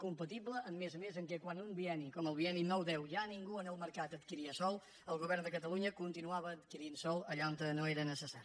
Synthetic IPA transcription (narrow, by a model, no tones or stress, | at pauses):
kumpət̪iβləʔːmːezəmezəŋkɛkwanumbiɛnikɔməlˠβiɛninɔwðɛwʒaniŋɡuənəlˠməɾkat̪ət̪kiɾiəsɔlˠ | əlˠɣuβ̞ɛrnd̪əkət̪əlˠuɲəkunt̪inuaβəːt̪kiɾinsɔlˠəʎant̪ənoeɾənəsəsaɾi